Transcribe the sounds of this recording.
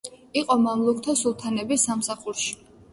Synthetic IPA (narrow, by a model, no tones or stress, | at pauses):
iqʼɔmamlˠuk̚ʰt̪ʰɔsulˠt̪ʰanɛbisamsaχuɾʃi̥